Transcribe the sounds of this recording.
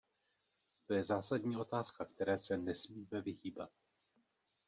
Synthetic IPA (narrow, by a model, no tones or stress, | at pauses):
t̪o̞jɛzaːsadɲiːʔo̞t̪aːskakt̪ɛɾɛːsɛnɛsmiːmɛvɪɦiːba̰t̪̚